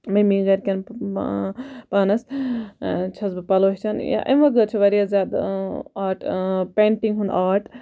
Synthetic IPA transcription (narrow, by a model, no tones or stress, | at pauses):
mɐmiɡɐɾkʲɐn | paːnɐs | t͡ʃʰɐsbɨpɐloɦʲt͡ʃʰanja̰ʔɐ̰mʋɐɡɐɾt͡ʃʰuʋɐɾijazʲjaːd̪aːɾʈpeːɳʈiŋɡɦund̪aːɾʈʰ